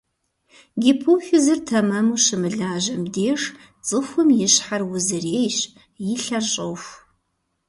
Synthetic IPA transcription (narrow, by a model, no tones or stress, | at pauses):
ɡʲɪpʰuwxʊzɨrtʰɐmɐmuːʃɪmɨɮaːʒɐmdeːʂ | t͡sʼɨxʷʊmjɪɕħarwʊzɨreːjɕ | jɪɬɐɕʼɐwxʷ